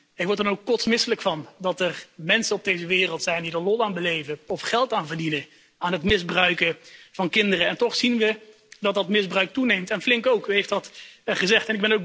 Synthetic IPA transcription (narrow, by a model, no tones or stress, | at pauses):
ɪkʋɔɹtdənowkːɔtsmɪsələkfɑndɑtərmɛnsənɔb̚dejzəʋɪːrəlˠtsɛjndidəɹlɔlaːnbəlejvəɔfχɛlˠtaːnvərdinə | aːnɦətmɪzbrœɥkəv̥ɑnkɪndərəɛntɔχsinʋə | dɑt̚dɑtmɪzbrœɥk̚tunejmtɛnflɪŋkowkɦyɦejftɑtχəzɛχtɛnɪɡ̚bɛnowk